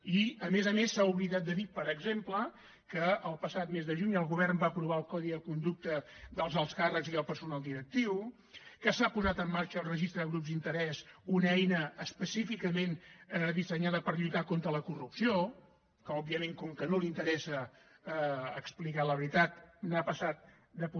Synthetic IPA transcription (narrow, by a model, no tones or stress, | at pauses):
iəmezəmesːauβliðat̪̚d̪əðipəɾəɡzemplə | kəəlˠpəsat̪mezðəʒuɲəlˠɣuβɛrmbaəpɾuβaəlˠkɔðiðəkund̪uk̚t̪əðəlˠzəlˠskarəkziðəlˠpəɾsunalˠd̪iɾək̚t̪iw | kəsapuzat̪əmːaɾt͡ʃəːlˠrəʒist̪ɾəɣɾupzd̪int̪əɾɛsunɛjnəːspəsifikəmenəðisəɲaðəpəɾʎujt̪akont̪ɾələkurupsio | kəɔbːiəmẽŋkɔŋkənolint̪əɾɛsə | ksplikaləβɾit̪at̪̚napəsat̪̚ | d̪əpu